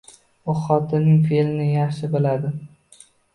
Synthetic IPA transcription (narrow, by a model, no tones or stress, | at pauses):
oχɒt̪ʰɪnɪŋfelɪnɪjɑχʃɪbɪlad̪ɪ